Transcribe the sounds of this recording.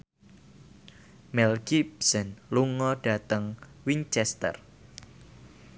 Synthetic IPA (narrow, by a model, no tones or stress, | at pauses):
mɛlɡibsənluŋɔɖ̥a̤t̪əŋwint͡ʃɛst̪ə̰r